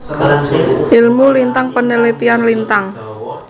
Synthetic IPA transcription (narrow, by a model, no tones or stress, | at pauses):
ʔɪlmulint̪aŋpənəlit̪ianlint̪aŋ